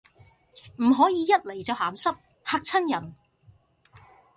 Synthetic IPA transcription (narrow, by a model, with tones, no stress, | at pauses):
m̩˨˩ɦɔː˨˥jiː˨˧jɐ˥t̚le˨˩jt͡sɐ˨whaː˨˥msɐ˥p̚ | haː˧k̚t͡sʰɐ˥njɐ˨˩n